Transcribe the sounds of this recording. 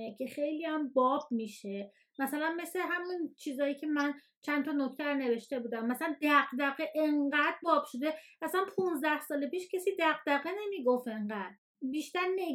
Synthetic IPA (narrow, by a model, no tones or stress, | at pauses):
cʰexe̞jliæmbɒːb̥̚miːʃe | mæsælænme̞sleɦæmunt͡ʃʰiːzɒːjiːcʰe̞mæn | t͡ʃʰænt̪ʰɒno̞cʰt̪ʰæɾone̞ve̞ʃt̪e̞buːd̪æmːæsælænd̪æɣd̪æɣeʔeɴɢæd̪bɒːb̥ʃod̪e̞æslænpʰunzd̪æhsɒːle̞piːʃcʰesiːd̪æɣd̪æɣene̞miɡofe̞ɴɢæd̪̥̚ | biːʃt̪æɾne